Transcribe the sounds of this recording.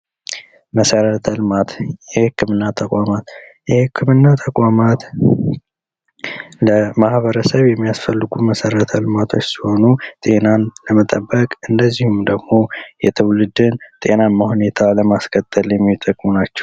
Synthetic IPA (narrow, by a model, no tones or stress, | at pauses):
məsəɾət̪ʰəlmat̪jɛhɨkːɨmɨnːat̪ʰəkʼamat̪ | jɛhɨkʰːɨmɨnːat̪ʰəkʼamat̪ | ləmahβəɾəsəβjɛmːijasfəlːɨɡuməsəɾət̪ʰəlɨmat̪ʰo̞t͡ʃːsiho̞nut̪ʼe̞nanləmət̪ʼəbːəkʼɨnd̪əzːihumd̪əɡmo̞jɛt̪ʰəwlɨd̪ɨnt̪ʼe̞namːahune̞t̪ʰaləmaskʰət̪ʼːəljɛmːit̪ʼːəkʼmunat͡ʃːɛ̥w